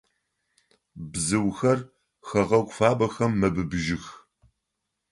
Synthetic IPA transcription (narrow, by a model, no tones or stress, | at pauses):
bzɨwxɐr | xɐʁɐɡʷfaːbɐxɐmːɐbɨbʒɪx